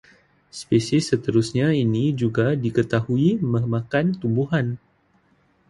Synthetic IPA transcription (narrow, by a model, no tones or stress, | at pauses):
spesɪsːət̪əɾusɲainid͡ʒuɡadikət̪ahuiməmãkant̪umbuɦan